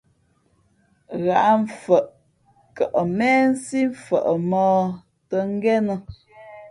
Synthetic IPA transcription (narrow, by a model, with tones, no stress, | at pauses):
ɣa˨ʔɱ̩˨fə˨ʔ | kə˨ʔə˨mɛ˦n̩˦si˦ɱ̩˨fə̰˨ʔə˨mɔː˦ | tə˦ŋ̩˦ɡɛ˦nə˨